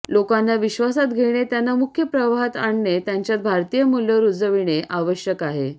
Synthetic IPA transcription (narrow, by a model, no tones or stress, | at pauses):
lokanːaʋiɕʋasat̪ɡʱeɽ̃et̪janːamukʰjəpɾəʋaɦət̪aɳːet̪jaɲt͡ɕjat̪̚bʱaɾt̪ijəmulːəɾud͡zəʋiɽ̃eʔaʋəɕjəkaɦe